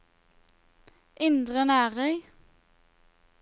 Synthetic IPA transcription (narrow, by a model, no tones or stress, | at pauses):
ʔɪnd̪ʁənæːʁœŋ